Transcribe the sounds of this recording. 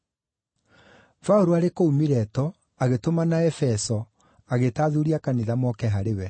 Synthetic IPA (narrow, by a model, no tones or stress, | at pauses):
fauɾuaɾekoumiɾɛtɔ | aɣetomanaɛfɛsɔ | aɣetaːðuɾiakaniðamɔkɛɦaɾewɛ